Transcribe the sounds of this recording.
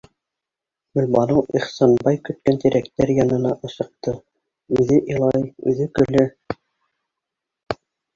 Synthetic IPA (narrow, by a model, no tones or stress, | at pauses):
ɡɵ̆lʲbɑnɤwʔiχsɑnbɑjkɵ̆t̪̚kænt̪iɾæk̚t̪æɾjɑnɤ̆nɑʔɤ̆sɤ̆q̚t̪ɤ | ʉðɘʔilˠɑjʉ̰ðɘkɵ̆lɘ